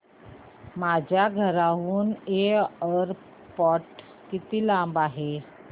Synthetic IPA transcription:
mad͡ʑʱjaɡʱəɾaɦuːneəɾ | pɔʈ | kit̪iːlãmbaɦe

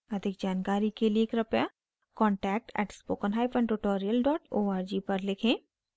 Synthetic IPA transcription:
ɐd̪ʱɪk̚d͡ʒaːnkaːɾikelieːkɾɐpja | kɔ̃ːɳʈɛːk̚ʈɛ̰ːʈspoːkənɦaːɪpə̃ɳʈʊʈoːɾijəlɖɔːʈoːaːɾd͡ʒipɐɾlɪkʰẽː

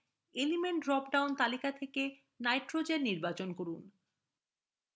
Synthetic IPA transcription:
elimeɳʈɾɔp̚ɖawnt̪alikat̪ʰeke | najʈɾod͡ʑeɾniɾbat͡ɕonkoɾun

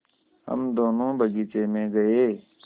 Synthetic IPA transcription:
ɦə̰md̪oːnõːbʱəɡiːt͡ʃeːmẽːɡəeː

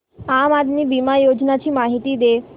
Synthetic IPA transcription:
amad̪nibimajod͡ʒnat͡ʃʰimaɦit̪id̪e

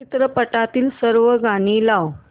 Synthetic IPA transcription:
it̪ɾəpəʈat̪iːlsəɾʋəɡaɽ̃ilaw

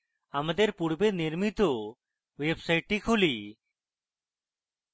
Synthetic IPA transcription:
amad̪eɾpuɽbeniɾmit̪o | websajʈːikʰuli

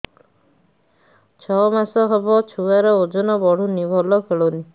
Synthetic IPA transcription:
t͡ʃʰɔmasɔɦɔbɔt͡ʃʰuaɾɔod͡ʒɔnɔbɔɽ̤unibʱɔlɔkʰeɭoni

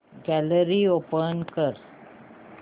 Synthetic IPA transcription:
ɡɛləɾiopənkəɾ

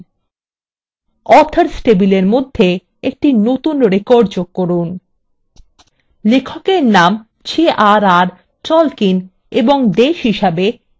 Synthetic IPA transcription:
ɔt̪ʰaɾsʈebileɾmod̪ʱːe | ek̚ʈinot̪unɾekoɾɖd͡ʑoɡ̚kːoɾun | lekʰokeɾnam | t͡ɕʰeʔaɾaɾ | t͡ɕɔlkin | eboŋd̪eʃɦiʃabe

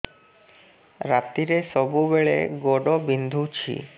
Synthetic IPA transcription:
ɾat̪ːiɾeʃɔbubeɭḛɡoɖobind̪ʱut͡ɕʰḭ

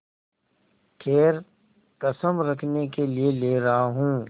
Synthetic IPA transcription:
kʰeːɾ | kɐsəmɾɐkʰnekelieleːɾɐɦaɦũː

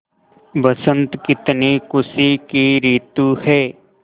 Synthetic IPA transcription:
ʋəsə̃nt̪kɪt̪nikʊsikiɾiːt̪uhɛː

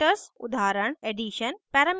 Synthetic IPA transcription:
ʈəsʊd̪ʱaːɾəɳ̃eːɖiːʃənpɛːɾɐm

